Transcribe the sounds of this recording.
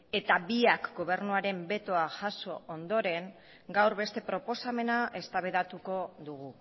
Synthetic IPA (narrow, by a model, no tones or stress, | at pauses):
e̞t̪abiakɡo̞β̞e̞ɾnuaɾe̞mbe̞t̪o̞aʝaso̞ond̪o̞ɾe̞ŋ | ɡawɾβe̞st̪e̞pɾo̞po̞same̞naʔe̞st̪aβe̞ðat̪uko̞ðuɣu